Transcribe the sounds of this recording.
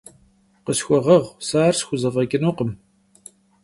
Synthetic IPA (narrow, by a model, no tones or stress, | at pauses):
qəsxʷɔʁəʁsaːrsxʷʊzɐvɐɡʼɨnuːqəm